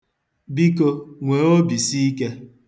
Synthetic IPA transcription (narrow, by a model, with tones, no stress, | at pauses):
bi˦ko˧ŋʷe˨o˦bi˨si˦i˦ke˦